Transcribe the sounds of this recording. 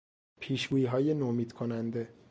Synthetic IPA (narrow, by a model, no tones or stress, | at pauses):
pʰiːʃɡuːjiɦɒːjenomiːd̪̥kʰonænd̪e̞